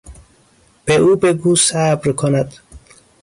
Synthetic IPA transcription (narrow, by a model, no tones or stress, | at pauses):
b̥eʔuːbeɡuːsabɾkʰonæd̪̥